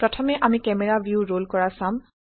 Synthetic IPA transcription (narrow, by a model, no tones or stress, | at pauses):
pɹɔtʰɔmɛʔamikɛmɛɹabʱjuɹolkɔɹasãm